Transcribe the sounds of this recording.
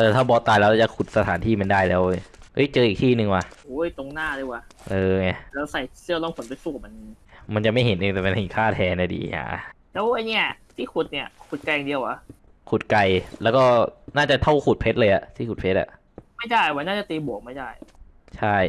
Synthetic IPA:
ʔɤː˧˩t̪ʰaː˥˩bɔː˧˥t̪aː˧jlɛː˦˥laː˧˩t͡ɕa˨˩kʰu˨˩t̪̚sa˧t̪ʰaː˩˦nt̪ʰiː˥˩ma˧ndaː˥˩jlɛː˦˥wʔɤ˦˥jt͡ɕɤː˧ʔiː˨k̚t̪ʰiː˥˩nɯ˧ŋwa˧ʔːjt̪o˧ŋnaː˥˩dɯː˧˥˩waː˧˩ʔɤː˧ŋa˧˩lɛː˦˥wsa˨˩jsɯ˥˩˨lɔ˥˩ŋpʰnpa˧jsuː˧˩ma˧n˧ma˧nt͡ɕa˨˩ma˥˩jɦe˨˦nʔeː˧ŋt̪ɛː˨˩ma˧ne˨˧˩kʰaː˥˩t̪ʰɛː˧na˧˩dḭː˧ɲa̰ː˧˦˧ | lɛː˦˥wʔa˧jni˦˥˩ɐt̪ʰiː˥˩kʰu˨˩t̪̚ni˧˩ɐkʰu˨˩t̪̚ka˧ja˨ŋdi˧əwa˧ | kʰu˨˩t̪̚ka˧jlɛː˦˥wkɔː˥˩naː˥˩t͡ɕa˨˩t̪ʰa˥˩wkʰuː˨˩t̪̚pʰe˦˥t̪̚lɤː˧jʔa˨˩t̪ʰiː˥˩kʰu˨˩t̚pʰe˦˥t̪̚ʔa̰˨˩ʔ | ma˥˩jdaː˥˩jwaː˧˩naː˥˩a˨˩t̪iː˧bu˨˩˦k̚ma˥˩jdaː˥˩j | t͡ɕʰa˥˩j

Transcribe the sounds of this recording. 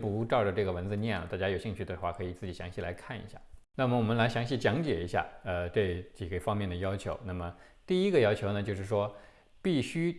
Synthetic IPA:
pu˧˥ʈ͡ʂɑ˥˩ʊʈ͡ʂə˩ʈ͡ʂɤ˥˩ɡə˩wə˧˥nt͡sɹ̩˥˧njɛ˥˩nlə̰˩t̪a˥˩t͡ɕja˥jo˨˩ʊɕi˥˧ŋt͡ɕʰy˥˩d̪ə˩xwa̰˥˩kʰɤ˧˥i˨˩t͡sɹ̩˥˩t͡ɕi˨˩ɕjɑ˧˥ŋɕi˥˩la˧˥ɪkʰa˥˩nḭ˧˥ɕja̰˥˩na˥˩mə˩wɔ˨˩mə˦nla˧˥ɪɕjɑ˧˥ŋɕi˥˩t͡ɕjɑ˧˥ŋt͡ɕjɛ˨˩i˧˥ɕja̰˥˧˩ə˧ʈ͡ʂɤ˥˩t͡ɕi˨˩ɡə˦fɑ˥ŋmjɛ˥˩nd̪ə˩jɑ˥ʊt͡ɕʰjo˧˥ʊna˥˩mə˩ | t̪i˥˩i˥ɡə˧jɑ˥ʊt͡ɕʰjo˧˥ʊnə˧t͡ɕjo˥˧ʊʂɻ̩˥˩ʂwɔ˥ | pi˥˩ɕy˥

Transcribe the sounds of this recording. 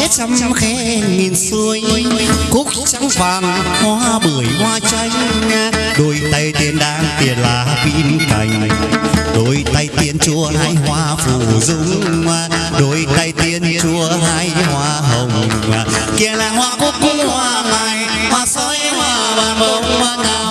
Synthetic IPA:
t͡ɕa˧mxɛ˧˦ŋi˨˩nsɨ˧əŋ˧˦kʊ˦˥k̚t͡ɕa˧˦ŋ͡mvaː˨˩nhwaː˧˦ɓɨ˨˩əjŋwaː˧t͡ɕa˧jŋ̟ɲaː˧ | ɗo˧˩jt̪a˧jt̪i˧ənɗa̰ː˧˥ŋt̪i˨˧˩ənlaː˨˩kḭ˧˥nka̰˨˩jŋ̟ | ɗo˧jt̪a˧jt̪i˧ənt͡ɕu˧˦əɦaː˧˥jɦwaː˧fṵ˧˩zʊ˧˥ŋ͡mmaː˨˩ | ɗo˧˩jt̪a˧jt̪i˧ənt͡ɕu˧˦əɦaː˧˥jhwaː˧ɦə˨˩wŋ͡mma̰ː˨˩ki˧˩əlaː˨˩hwaː˧˦kʊ˦˥k̚kʊ˧˥ŋ͡mhwaː˧ŋaː˨˩j | hwaː˧sɔ˧˥˦jhwaː˧ | waː˨˩ɓə˧˦wma˧n˧

